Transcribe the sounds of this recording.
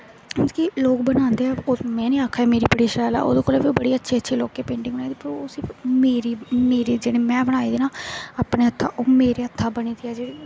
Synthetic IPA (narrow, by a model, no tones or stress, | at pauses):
nd͡ʒkiloːkbənãːnd̪eːɦɛːomɛ̃ːnẽːaːkʰaːɛːmeːɾiːpəɽiːʃɛːla̰ːo̰ːd̪õːkoːlaːpioːbəɽiːətːʃʰeːətːʃʰeːloːkːeːpẽːɳɖɪ̃ŋɡbənaːiːd̪iːpəɾoʊsiːmeːɾiːmeːɾiːd͡ʒeːɽeːmɛ̃ːbəɽ̃aːiːd̪eːnaːaːpneːət̪ʰːaːʔoːmeːɾeːət̪ʰːaːbəniːt̪ʰiːɛːd͡ʒeːɽiː